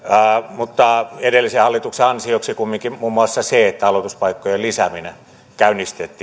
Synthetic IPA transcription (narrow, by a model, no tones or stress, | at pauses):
mut̪ːɑedelːisehɑlːit̪ukseɑnsioksikumːiŋkimuːmːuɑsːɑseet̪ːæɑlot̪uspɑikːojelisæmine | kæynist̪et̪ːi